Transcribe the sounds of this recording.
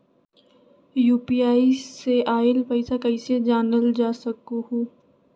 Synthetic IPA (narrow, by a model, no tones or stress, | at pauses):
juːpiaːiseʔaːɪlpəɪsakəɪsed͡ʒaːnəld͡ʒaːsəkuɦuː